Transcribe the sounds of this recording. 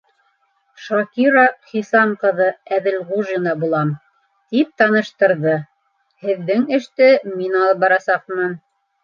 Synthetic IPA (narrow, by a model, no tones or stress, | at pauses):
ʃɑkʲiɾaχisɑmqɤ̆ðɤæðɘlʁuʒinɑbulˠɑm | t̪ip̚t̪ɑnɤ̆ʃt̪ɤ̆ɾðɤ | hɘ̆ðːɘŋɘ̆ʃt̪ɘminɑlˠɤp̚bɑɾɑsɑq̚mɤn